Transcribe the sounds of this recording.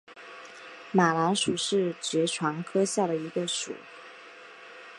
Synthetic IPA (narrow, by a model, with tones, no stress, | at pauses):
ma˨˩la˧˥nʂu˨˩ʂɻ̩˥˩t͡ɕɥɛ˧˥ʈ͡ʂʰwa˧˥ŋkʰɤ˥ɕja˥˩ɾə˩i˧˥ɡə˧ʂṵ˨˩˦